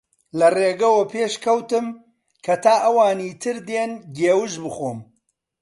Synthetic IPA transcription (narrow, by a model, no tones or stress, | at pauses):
lɐreːɡɐwɐpʰeːʃkʰɐwt̪ɨm | kʰɐt̪ʰaːʔɐwaːniːt̪ʰɨɾd̪eːnɡeːwɨʒbɨxoːm